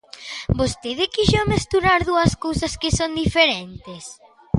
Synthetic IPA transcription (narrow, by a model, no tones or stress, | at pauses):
bost̪eðɪkiʃomest̪uɾaɾðuɐskowsɐskɪsond̪ifeɾent̪es